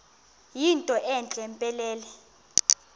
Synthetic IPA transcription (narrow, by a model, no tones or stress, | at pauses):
jintʼɔʔɛnt͡ɬʼɛmpʼɛlɛːlɛ